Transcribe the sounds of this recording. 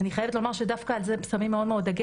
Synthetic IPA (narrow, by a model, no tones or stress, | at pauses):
aniχaje̞vet̪lo̞maʁʃed̪afkaːlzesamimːeo̞d̪meod̪aɡi